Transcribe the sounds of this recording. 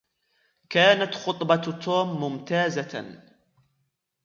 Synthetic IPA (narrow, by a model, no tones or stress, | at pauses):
kaːnat̪xʊt̪ˤbɑt̪oːmːʊmt̪aːza